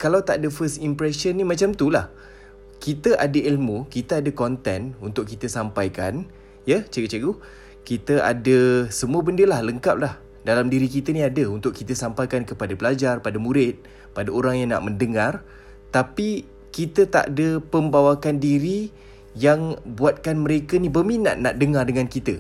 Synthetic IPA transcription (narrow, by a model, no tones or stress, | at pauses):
kalawt̪aʔadəfəst̪impɾɛsənːimat͡ʃamt̪ulah | kit̪əʔadəilmukit̪əadəkɔnt̪ɛnunt̪ʊkːit̪əsampajkan | jət͡ʃeɡət͡ʃeɡu | kit̪əʔa̰dəsəmuəbəndəlahləŋkap̚lah | dalamdiɾikit̪əniadəunt̪ʊkːit̪əsampajkankəpadabəlad͡ʒarpadamuɾɪt̪̚ | padaoɾaŋjaŋna̰ʔməndəŋar | t̪api | kit̪ət̪a̰ʔdəpəmbawakandiɾi | jaŋbuat̪̚kanməɾekənibəmina̰ʔ̪̚na̰ʔ̚dəŋardəŋankit̪ə